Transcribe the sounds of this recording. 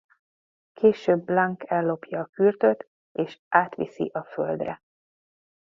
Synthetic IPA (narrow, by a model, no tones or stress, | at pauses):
kʰeːʃøːbːlaŋkɛlːo̞pjɒːkyrt̪øt̪ | eːʃʔaːt̪ʋḭsḭʔɒføld̪rɛ